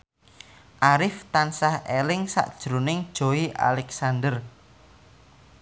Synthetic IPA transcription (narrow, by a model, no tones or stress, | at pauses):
ʔaɾɪft̪ansahelɪŋsa̰ʔd̥ʒ̥ɾunɪŋd̥ʒ̥o̤iʔa̰lɛksand̪ər